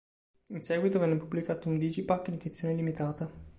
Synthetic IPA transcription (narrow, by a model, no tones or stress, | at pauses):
insɛːɡwit̪ovɛnːepublikaːt̪ound̪id͡ʒipakːinikɾit̪sːjoːnelimit̪aːt̪a